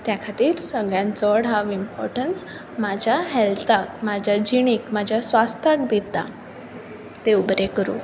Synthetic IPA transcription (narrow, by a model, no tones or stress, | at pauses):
t̪jakʰat̪iːɾsəɡɭjãt͡səɽɦaʋimpɔ̰ɾʈəns | mad͡ʑʱjaɦɛlt̪akmad͡ʑʱjad͡ʑiɽ̃iːkmad͡ʑʱjasʋast̪ʰak̚d̪it̪a̰ | t̪eubɾekəɾṵ